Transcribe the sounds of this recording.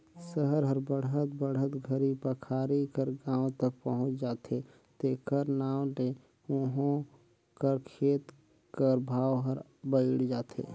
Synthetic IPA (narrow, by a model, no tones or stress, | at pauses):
səɦəɾɦəɾbəɽət̪̚bəɽ̤ət̪ɡʱəɾipəkʰaːɾikəɾɡãːwt̪ək̚pəɦʊ̃t͡ʃd͡ʒaːt̪e | t̪eːkəɾnaːw̃ɖe | ũɦõ | kəɾkʰeːt̪ | kəɾbʱaːʋɦəɾ | bəɪɽd͡ʒaːt̪ʰḛː